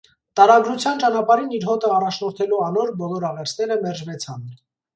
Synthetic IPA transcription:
t̪ɑɾɑɡɾut͡sʰjɑnt͡ʃɑnɑpɑɾiniɾɦɔt̪ʰəɑrɑt͡ʃʰnɔɾt̪ʰɛluɑnɔɾbɔlɔɾɑʁɛɾt͡sʰnɛɾəmɛrʒvɛt͡sʰɑn

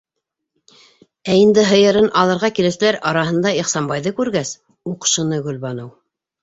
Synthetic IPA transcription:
æind̪ɘɦɤ̆jɤ̆ɾɤnʔɑlˠɤ̆ɾʁɑkilɘ̆sɘ̆læɾɑɾɑɦɤ̆nd̪ɑiχsɑmbɑjðɤkʉɾɡæs | uqʃɤ̆nɤɡɵ̆lβɑnɤw

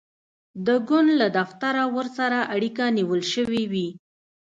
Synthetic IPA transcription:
d̪əɡʊnd̪lad̪aft̪aɾawəɾsaɾaʔaɽikaniwəlʃəwiwi

